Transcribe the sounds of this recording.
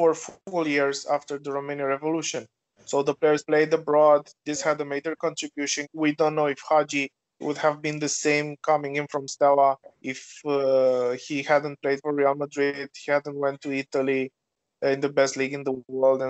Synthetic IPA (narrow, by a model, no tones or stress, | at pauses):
ə˞fvəlˠjiɹzæftə˞ðəɹomẽnaɹɛvoluʃɨ̃n | soʊðəpleɪə˞zpleɪdəbɹɔd̪ðɪshɨdəmeɪd͡ʒə˞kɔ̃ntɹ̥ɨbjuʃɨ̃nwidõʊ̃nːoʊɪfhɑd͡ʒi | wʊ̰dhævbĩnðəsẽɪ̃mkʰʌmɪ̃ŋɪ̃nfɹɔ̃mstaʊəʔɪf | hihæd̃n̚pleɪd̥fɔɹɹialˠmədɹɪd̥hihæd̃n̩t̚wɛ̃ntʰːuit̪əli | ɪ̃nðəbɛstliɡɨ̃nðəwɜ˞ldɛ̃